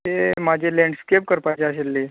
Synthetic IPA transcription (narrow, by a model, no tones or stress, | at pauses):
t̪emad͡ʑʱelɛ̃ɳɖskep̚kəɾpajt͡ɕeəselːe